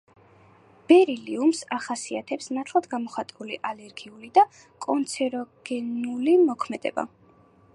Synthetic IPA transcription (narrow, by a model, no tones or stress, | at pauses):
b̥ɛɾiliumsaχasiat̪ʰɛpsnat̪ʰlˠad̪ɡamɔχat̪ʼuliʔalɛɾɡiulid̪a | kʼɔnt̪sʰɛɾɔɡ̥ɛnulimɔkʰmɛd̪̥ɛ̰ba̰